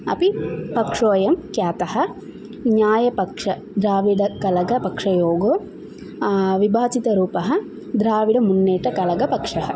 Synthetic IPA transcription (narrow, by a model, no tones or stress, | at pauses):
ɐ̰pipɐkʂoːjɐmkjaːt̪ɐhɐ̆ | ɲaːjɐpɐkʂɐ | d̪ɾaːʋiɽɐkɐlɐɡɐpɐkʂɐjoːɡoː | ʋibʱaːt͡ʃit̪ɐɾuːpɐɦɐ̆ | d̪ɾaːʋiɽɐmunːeːʈɐkɐlɐɡɐpɐkʂɐɦɐ